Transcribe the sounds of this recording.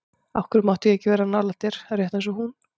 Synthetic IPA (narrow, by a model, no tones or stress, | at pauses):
a̰fkʏɾmaht̪ʏɛhcːɪvɛːɾanalḁt̪ɪɾ̥aɾjɛht̪ɛns̬ɔɦun